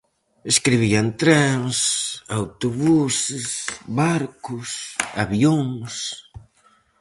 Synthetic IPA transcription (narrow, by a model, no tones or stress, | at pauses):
eskɾiβiant̪ɾaŋsawt̪oβusɪsβaɾkʊsaβjoŋs